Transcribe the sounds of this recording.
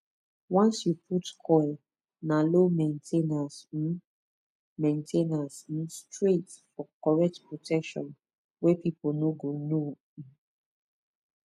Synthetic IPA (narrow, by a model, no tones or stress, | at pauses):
wɔ̃nsjupʰutkʰɔl | nalomẽntʰenasĩ | mẽntʰenasĩnstɹetfɔkɔɹɛk̚tpɹotʰɛkʃɔ̰̃n | wepiponoɡono | ĩ